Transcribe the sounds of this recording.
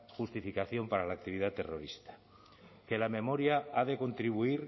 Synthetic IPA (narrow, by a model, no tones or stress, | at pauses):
xust̪ifikaθjo̞mpaɾalaːk̚t̪iβ̞iðat̪e̞roɾist̪ḁ | ke̞lamẽ̞mo̞ɾjaaðeko̞nt̪ɾiβ̞uiɾ